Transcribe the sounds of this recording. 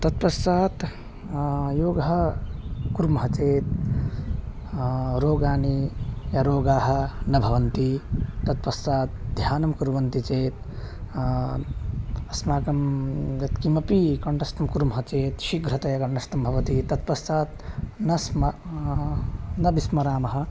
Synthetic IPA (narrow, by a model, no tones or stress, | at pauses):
t̪ɐt̪̚pɐsaːt̪ | joːɡɐɦɐ | kuɾmɐɦɐt͡ʃeːt̪̚ | ɾoːɡaːnijɐɾoːɡaːɦɐ̆nɐbʱɐʋɐnt̪it̪ɐt̪̚pɐsaːt̪̚d̪ʱjaːnɐmkuɾʋɐnt̪it͡ʃeːt̪̚ | ɐsmaːkɐmjɐt̪kimɐpikɐɳɖɐst̪ɐmkuɾmɦɐt͡ʃeːt̪ʃiɡʱɾɐt̪ɐjɐkɐɳɖɐst̪ɐmbʱɐʋɐt̪it̪ɐt̪̚pɐst̪aːt̪nɐsmɐ | nɐbismɐɾaːmɐɦɐ̆